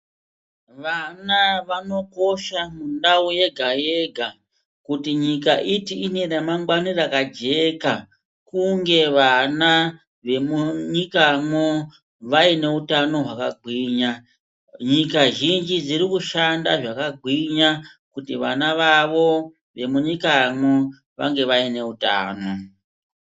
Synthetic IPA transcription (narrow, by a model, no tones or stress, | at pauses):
ʋanaʋano̞ko̞ʃamundauje̞ɡʱaje̞ɡʱa | kutiɲikaʔitiine̞ramaŋɡwanirakad͡ʒe̞ka | kuŋɡe̞ʋana | ʋe̞muɲikamwo | ʋaine̞utano̞ɦwakaɡʱwiːɲa | ɲikaʒind͡ʒid͡ziɾikuʃandaʐakaɡʱwiɲa | kutiʋanaʋaʋo̞ | ʋe̞muɲikamwo | ʋa̰ŋɡe̞ʋaine̞uta̰ːno̞